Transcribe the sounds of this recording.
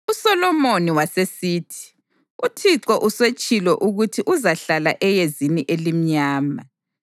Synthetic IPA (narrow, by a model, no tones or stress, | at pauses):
usɔlɔmoniwasesiːtʰi̥ | utʰiǁɔʔuswet͡ʃʼilɔʔuɣutʰiʔuzaɬalaʔɛjeziniʔelim̩ɲaːma